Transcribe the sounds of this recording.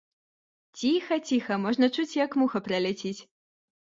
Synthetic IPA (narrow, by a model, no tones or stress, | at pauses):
t͡sʲixɐt͡sʲixɐmɔʐnɐt͡ʂut͡sʲjɐkmuxɐpɾɐlʲat͡sʲet͡sʲ